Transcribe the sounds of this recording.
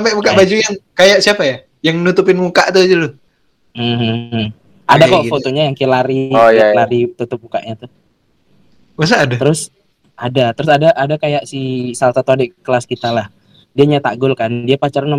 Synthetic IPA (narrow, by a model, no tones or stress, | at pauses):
mpɛʔmukaʔbad͡ʒujaŋkajaʔsiapaja | jaŋnut̪ʊp̬ɪnmukaʔt̪ud͡ʒulʊ | m̩h̩ | adakafot̪oɲajaŋkelaɾijlaɾit̪ut̪ʊp̚muka̰ʔɲat̪ʊ | was̬aːdat̪əɾʊs | ʔadat̪əɾʊsadaʔadakajaʔsisalsat̪oadɛʔkəlaskit̪alah | diaɲat̪aɡʊlkandiapat͡ʃaɾan